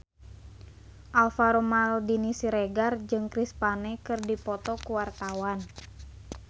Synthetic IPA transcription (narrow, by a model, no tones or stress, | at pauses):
ʔalfaɾomaldinisiɾɛɡard͡ʒɨŋkɾispanɛkɨrdipɔt̪ɔkuwart̪awan